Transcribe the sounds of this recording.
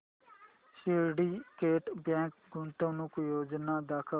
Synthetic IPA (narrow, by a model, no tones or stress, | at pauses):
ʃeːɖikeːʈbẽːŋkɡũnt̪õnukujoːd͡ʒnaːd̪aːkʰə